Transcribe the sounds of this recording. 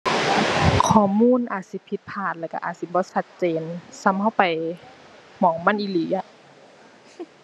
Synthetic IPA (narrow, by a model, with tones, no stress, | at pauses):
kʰɔː˨˩muː˧˥˨nʔa̰ː˨˩t̪̚si˧˦pʰi˧t̪̚pʰaː˧˩t̪̚lɛː˧˩ka̰˧ʔaː˨˩t̪̚si˧˦bɔː˧˦sa˧t̪̚t͡ɕeː˨nsa˧˥mha˧˩˨wpa˨˩j | mɔː˨˦ŋma˧˥˨nʔiː˧˨liː˨˦ʔa˧